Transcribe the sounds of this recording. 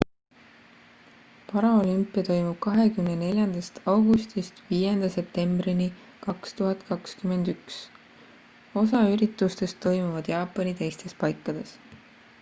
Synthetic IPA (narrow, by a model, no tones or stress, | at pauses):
pɑɾɑo̞lympːˑijɑt̪o̞jmub̥̚kɑɦe̞kymne̞ne̞lʲjɑnd̪̥ɑst̪ɑwɡust̪ist̪viːje̞nd̪̥ɑse̞p̚t̪e̞mbɾini | kɑkst̪uɦɑt̪ˑkɑkskyme̞nd̪̥yks | o̞s̬ɑyɾit̪ːˑust̪e̞st̪ːo̞jmuvɑd̪̥jɑːpːˑɑnit̪e̞jst̪e̞spɑjkːˑɑd̪̥e̞s